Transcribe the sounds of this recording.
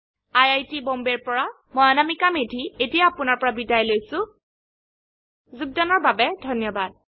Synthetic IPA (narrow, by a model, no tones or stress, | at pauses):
ajajtibɔmbɛɹpɔɹa | mɔjanamikamedʱietijaːpʊnaɹpɔɹabidajlojsʊ̃ | zuɡ̚danɔɹbabɛdʱɔnjɔbad̚